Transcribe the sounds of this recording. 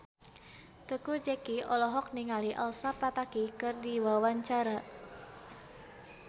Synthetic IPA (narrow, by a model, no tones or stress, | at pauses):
t̪əkud͡ʒɛkiʔɔlɔɦɔk̚niŋaliʔalsapat̪akikɨrdiwawaɲt͡ʃaɾa